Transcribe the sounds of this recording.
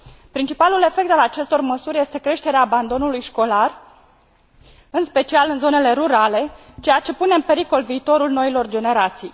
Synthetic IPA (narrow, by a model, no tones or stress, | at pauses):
pɾint͡ʃipalule̞fe̞kt̪alat͡ʃe̞st̪o̞rməsurʲje̞st̪e̞kɾe̞ʃt̪e̞ɾeaːband̪o̞nulujʃko̞lar | ɨnspe̞t͡ʃialɨnzo̞ne̞le̞ɾuɾale̞t͡ʃe̞jat͡ʃe̞pune̞ɨmpe̞ɾiko̞lviːt̪o̞ɾulno̞ilo̞rd͡ʒe̞ne̞ɾat̪sij